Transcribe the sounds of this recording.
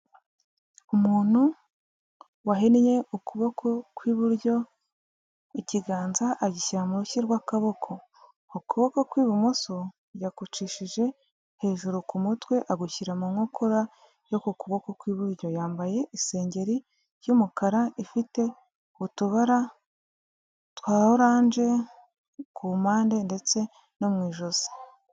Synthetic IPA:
umuːn̥hu | waɦenije̞ukuβo̞kʰo̞kwiːβuɾɟo̞ | iciɡaːnzaʔːɟiçiɾamuɾuçiɾɡwakaβo̞kʰo̞ | ukuβo̞ko̞kwiːβumuso | jakut͡ʃiʃiʒe̞ | he̞ːʒuɾukumutwe̞ʔaɡuçiɾamuŋokʰoɾa | jokukuβo̞kokwiːβuɾɟo̞jaːmbaje̞ise̞ːɲɟe̞ɾi | ɾjumukaɾaifite̞ | utuβaɾa | twaːɾoɾaːnd͡ʒe̞ | kʰumaːnde̞nde̞t͡se̞ | nomŋiːʒoz̥i̥

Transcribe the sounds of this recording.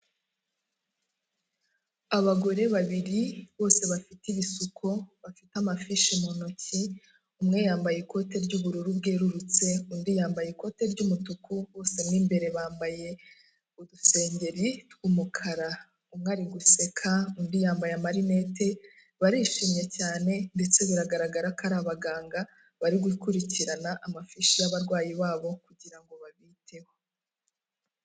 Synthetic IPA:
aβaɡo̞ɾe̞βaβiɾiβo̞ːse̞βafitiβisukʰo̞βafitamafiʃimonoci | umŋe̞jaːmbajeko̞te̞ɾɟuːβuɾuɾubɡeːɾuɾut͡se̞undijaːmbajeko̞te̞ɾɟumutukuwo̞ːse̞mŋiːmbe̞ɾe̞βaːmbaje̞ | uduse̞ːɲɟe̞ɾitkuːmukʰaɾa | umŋaːɾiɡuse̞kʰaundijaːmbajamaɾine̞tʰe̞ | βaɾiʃimje̞caːne̞nde̞t͡se̞βuɾaɡaɾaɡaɾakaɾaβaɡaːŋɡa | βaɾiɡwikuɾiciɾanaʔamafiʃijaβaɾɡwaːjiβaːβo̞kuɟiɾaŋɡo̞βaβitʰe̞wo

